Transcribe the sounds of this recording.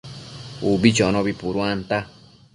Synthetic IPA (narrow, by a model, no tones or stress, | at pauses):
ubit͡ʃonõbipuɾuant̪a